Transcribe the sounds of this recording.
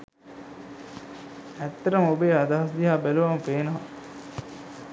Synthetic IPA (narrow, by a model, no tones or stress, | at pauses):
æt̪ːɐɾɐmobeːad̪aɦɐsd̪iɦaːbæluʋampeːnɐɦa